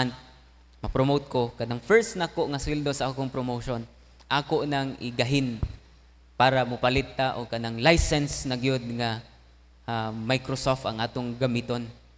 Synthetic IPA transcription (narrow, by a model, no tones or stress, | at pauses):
n̚ | mɐpɾomowt̪̚kokanaŋfɛɹsnakoʔŋaswɪld̪osaaːkoŋpɾomowʃon | ʔakoʔnaŋɪ̰ɡaɦɪn | paːɾamʊpalɪt̪ːaʔoɡ̚kanaŋlajsɛnsnɐɡajod̪̚ŋa | majkɾosoft̪ɐŋʔaːt̪oŋɡamit̪on